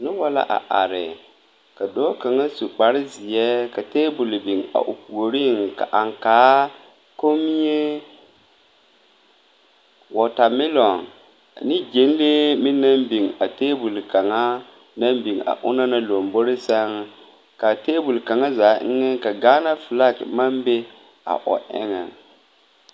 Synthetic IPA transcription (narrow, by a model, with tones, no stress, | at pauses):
nʊ˦wa˦la̰˦ʔa̰˨ʔa̰˨ɾɪ̰˨ | ka˨dɔ˦ka˨ŋa˦su˨k͡pa˨ɾɪ˦zɪ˨jɛ˦ka˨teː˦bu˨lbi˨ŋa̰˨ʔo̰˨pu˨o˨ɾi˦˨ŋka̰˨ʔa˨ŋkaː˨˦ | ko˦mi˦je˦ | wɔ˨ta˨mɪ˦lɔ˨n˨ | nɪ˦d͡ʒe˨˦n˦leː˦mɪ˦na˦mbi˨ŋa˨teː˦bu˨lka˨ŋa˦ | na˦mbi˨ŋa̰˨ʔʊ̰˦na˦na˦lo˨mbo˦ɾɪ˦sa˦ŋ˦ | ka˨teː˦bu˨lka˨ŋa˦zaː˨˦ʔɪ˦ŋɪ˦ka˨ɡaː˦na˦fɪ˨la˦˨kma˦mbe˦ | a̰˨ʔɔ̰˨ʔɪ̰˦ŋɛ̰˨